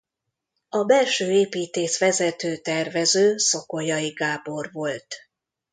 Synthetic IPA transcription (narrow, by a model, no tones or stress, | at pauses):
ɒbɛlʃøːeːpiːt̪eːʃʋɛzɛt̪øːt̪ɛrvɛzøːso̞kojɒiɡaːbo̞rvo̞lt̪